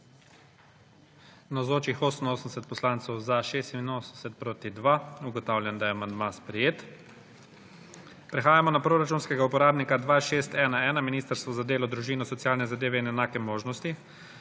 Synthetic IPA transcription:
nazoːt͡ʃixoːsən̩oːsənsɛt̪̚pɔslant̪sɔwzaʃeːst̪innoːsən̩sɛt̪̚pɾoːt̪id̪ʋauɡɔt̪aːwlʲjɛnd̪ajɛamand̪maspɾɛjeːt̪ | pɾɛxaːjamɔnapɾoɾat͡ʃuːnskɛɡaupɔɾaːbnikad̪ʋaːʃeːst̪ɛːnaɛːnaminiːst̪əɾst̪ʋɔzad̪eːlɔd̪ɾuʒiːnɔsɔt̪sijaːlnɛzad̪eːʋɛinɛnaːkɛmoːʒnɔst̪i

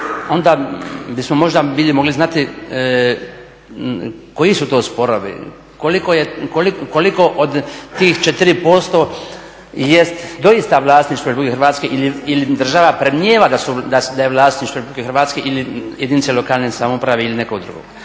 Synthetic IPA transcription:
o̞nd̪abismomo̞ʒd̪abilimo̞ɡliznat̪i | ko̞jisut̪o̞ːspo̞ɾoʋḭ | kolikojekolikoliko̞ʔod̪t̪iːxt͡ʃet̪ɾipo̞st̪o̞ | jest̪d̪o̞ist̪aʋlaːst̪niʃt̪ʋolʲepuikexɾʋaːt̪skeʔiliilid̪r̩ʒaʋapɾemɲeːʋad̪asud̪ad̪ajeʋlˠaːst̪niʃt̪ʋolʲepublikexɾʋaːt̪skeʔilijʔed̪init̪selo̞kaːlnesamoupɾaʋeilinekoɡd̪ɾṵɡo̰ɡ

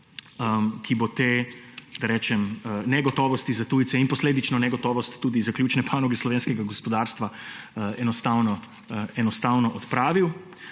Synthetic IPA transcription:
əkʰibot̪eːd̪aɾɛːt͡ʃɛmnɛɡɔt̪ɔːʋɔst̪izat̪uːjt̪sɛinpɔsleːd̪it͡ʃnɔnɛɡɔt̪ɔːʋɔst̪ːuːd̪izakljuːt͡ʃnɛpʰaːnɔɡɛslɔʋeːnskɛɡaɡɔspɔd̪aːɾst̪ʋaɛnɔst̪aːwnɔ | ɛnɔst̪aːwnɔʔɔt̪pɾaːʋiw

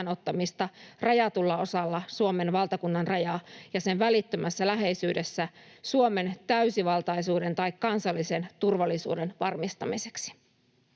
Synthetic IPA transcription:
no̞t̪ːɑmist̪ɑrɑjɑt̪ulːɑo̞sɑlːɑsuome̞nʋɑlt̪ɑkunːɑnrɑjɑjɑse̞nʋælit̪ːømæsːælæɦe̞isyːdesːæsuome̞nt̪æysiʋɑlt̪ɑjsuːde̞nt̪ɑjkkɑnsɑlːisent̪urʋɑlːisṵːde̞nʋɑrmist̪ɑmise̞̥ksi̥

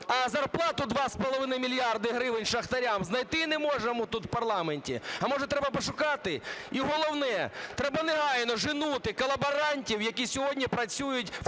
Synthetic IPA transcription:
ɐzɐrplˠɑt̪ʊd̪ʋɑspɔlˠɔʋɪnɐjmʲilʲjɑrd̪ɪɦɾɪʋɪnʲʃɐxt̪ɐɾʲamznɐjt̪ɪnɛmɔʒnɐmʊt̪ut̪wpɐrlˠɑmenʲtʲḭɐmɔʒɛt̪ɾɛbɐpɔʃʊkɑt̪ɪiɦɔlˠɔwnɛt̪ɾɛbɐnɛɦɑjnɔʒɪnut̪ɪkɔlˠɐbɐɾɑnʲtʲiwjɐkʲisʲɔɦɔdʲnʲipɾɐt͡sʲujʊtʲ

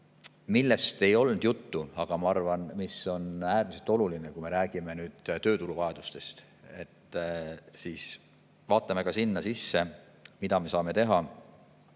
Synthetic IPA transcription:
milːest̪e̞jo̞lnd̪̥jut̪ːuɑɡ̥ɑmɑɑrvɑnmiso̞næːrmise̞lt̪ˑo̞lulinekuime̞ɾæːɡ̥ime̞nyːd̪̥t̪ø̞ːt̪uɾuvɑed̪̥ust̪e̞st̪ | e̞t̪ː | siːs | vɑːt̪ːˑɑme̞kɑsinːɑsisːe̞ | mid̪ɑme̞sɑːme̞t̪e̞ɦɑ

